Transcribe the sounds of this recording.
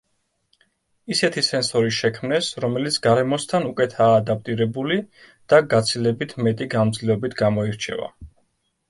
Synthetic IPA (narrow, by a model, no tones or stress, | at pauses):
isɛt̪ʰisɛnsɔɾiʃɛkʰmnɛsɾɔmɛlit̪sʰɡaɾɛmɔst̪ʰanukʼɛt̪ʰaːd̪ap̚ʼt̪ʼiɾɛbuli | d̪̥aɡat̪sʰilɛbit̪ʰmɛt̪ʼiɡanmd̪zliɔbit̪ʰɡamɔiɾt͡ʃʰɛ̰va̰